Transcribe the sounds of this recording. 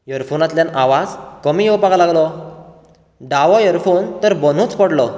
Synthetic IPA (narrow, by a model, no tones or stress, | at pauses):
jəɾfonat̪ljanaʋad͡zkəmijewpaɡalaɡlɔ | ɖaʋɔjəɾfont̪əɾbən̤ũt͡spəɽlɔ